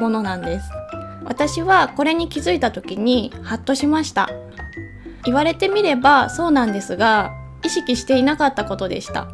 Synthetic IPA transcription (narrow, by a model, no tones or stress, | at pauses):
mo̞no̞nãnd̪e̞sɨ̥βa̰t̪aɕiβako̞ɾe̞ɲ̟ikʲizɨit̪at̪o̞kʲiɲ̟ihat̪ːo̞ɕimaɕi̥t̪a̰ | iβaɾe̞t̪e̞mʲiɾe̞baso̞ːnãnd̪e̞sɨɡa | iɕikʲiɕi̥t̪e̞inakat̪ːako̞t̪o̞d̪e̞̰ɕi̥t̪a̰